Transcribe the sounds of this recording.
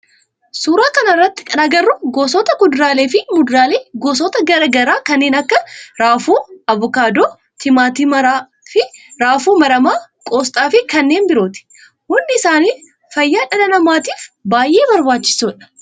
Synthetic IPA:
suːɾaːkɐnɐrːɐt̪ːɪ̥kʼɐnɐɡɐrːʊɡoːsɔːt̪ɐkʊd̪ɾaːle̞ːfɪmʊd̪ɾaːleːɡoːs̬ɔːt̪ɐɡɐɾɐɡɐɾaːkɐnːe̞ːnɐkːɐɾaːfuːɐβʊkaːd̪oː | t̪ʰɪmaːt̪ɪmɐɾaː | fɪɾaːfuːmɐɾɐmaːkʼoːst̪ʼaːfɪkɐnːe̞ːnbɪɾo̞ːt̪ɪ̥ | hʊnd̪ɪsaːniː | fɐjːaːᶑɐlɐnɐmaːt̪iːfbaːjʔe̞ːbɐɾbaːt͡ʃːɪ̥suːᶑɐ̥

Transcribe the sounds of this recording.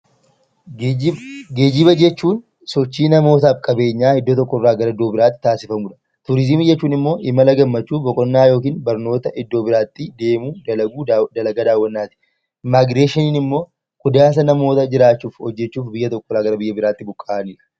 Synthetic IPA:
ɡe̞ːd͡ʒɪbɐd͡ʒɛt͡ʃːuːn | sɔt͡ʃːiːnɐmo̞ːt̪aːfkʼɐbe̞ːɲːaːhɪd̪ːɔt̪ɔkːɔrːaːɡɐɾɐɪd̪ːoːbɪɾaːt̪ːɪ̥t̪aːsɪfɐmuːᶑɐ̥ | t̪ʊɾɪzɪmɪd͡ʒɛt͡ʃːuːnɪmːo̞ːʔɪmɐlɐɡɐmːɐt͡ʃːuːbɔkʼɔnːaːjo̞ːkiːnbɐɾno̞ːt̪ɐʔɪd̪ːoːbɪɾaːt̪ːɪd̪e̞ːmuːɡuːd̪ɐlɐɡɐd̪aːwːɐnːaːt̪ɪ̥ | maːɡɾeːʃɪniːnɪmːo̞ː | kʼʊd̪aːs̬ɐnɐmo̞ːt̪ɐd͡ʒɪɾaːt͡ʃːuːfhɔd͡ʒːɛt͡ʃːuːfbɪjːɐt̪ɔkːɔraːɡɐɾɐbɪjːɐbɪɾaːt̪ːɪbʊkʼːaːʔniːᶑɐ̥

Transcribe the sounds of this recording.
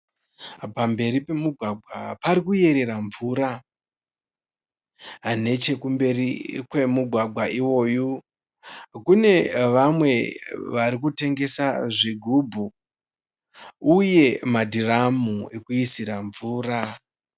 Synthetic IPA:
pambe̞ɾipe̞muɡʱwaɡʱwa̰paɾikuje̞ɾe̞raɱvuːɾa | ane̞t͡ʃe̞kumbe̞rikwe̞muɡʱwaɡʱwaʔiwo̞ːju | kune̞ʋamwe̞ʋaɾik̬ute̞ŋɡe̞saʐiɡʱubʱu | uje̞madʱiramue̞kuisiɾaɱvuːra

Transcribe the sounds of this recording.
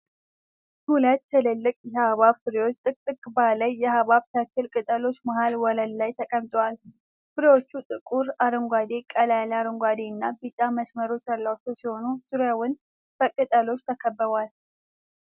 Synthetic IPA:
hulət̪ːʰɨlɨlːɨkʼjɛhaβaβfɨɾiwo̞t͡ʃːt̪ʼɨkʼt̪ʼːɨkʼbaləjːɛhaβaβt̪ʰəkʰːɨlkʼɨt̪ʼəlo̞t͡ʃːmahalwɔləllajt̪ʰəkʼəmt̪ʼwal | fɨɾiwo̞t͡ʃːut̪ʼɨkʼuɾaɾɨŋɡʷad̪e̞kʼəlalaɾɨŋɡʷad̪enːabit͡ʃʼːaməsməɾo̞t͡ʃːalːawt͡ʃːowsiho̞nusɨɾjawʊn | b̥əkʼɨt̪ʼəlo̞t͡ʃːt̪ʰəkʰəbːəβwal

